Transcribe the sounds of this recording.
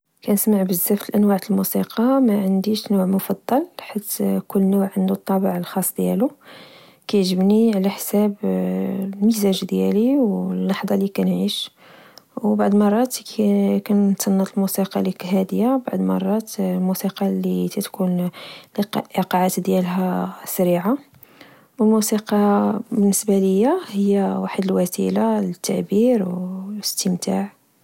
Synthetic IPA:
kænəsmaʕbəzːæft̪əlʔænwaʕt̪əlmusiqɑmæʕənd̪iʃnuʕmʊfɑd̪ˤːɑlħit̪kʊlːnuʕʕənd̪ut̪ˤːɑbəʕlxɑsˤːd̪jælu | kæjʕʒəbniʕlæħsæb | lmizæʒd̪jæliwlːɑħd̪ˤɑlikænʕiʃ | wbaʕd̪mɑrˤːɑt̪kænt̪sɑnːɑt̪lmusiqɑlikɦæd̪jabaʕd̪mɑ̰rˤːɑt̪lmusiqɑlit̪æt̪kunliqɑʕat̪d̪jælɦæsæɾiʕa | wəlmusiqɑbənːəsbæləjːahəjːæwaħəd̪əlwæsḭlalət̪ːaʕbiɾwəst̪əmt̪aʕ

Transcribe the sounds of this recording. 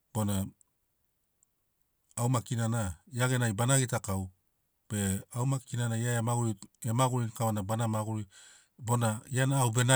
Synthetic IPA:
b̥o̞na | wmakinanaiaɡenajbanaɡitakaw | b̥e̞awmakinanajaeamaɡuɾiemaɡuɾinkawanabanamaɡuɾi | bo̞naianawbe̞na

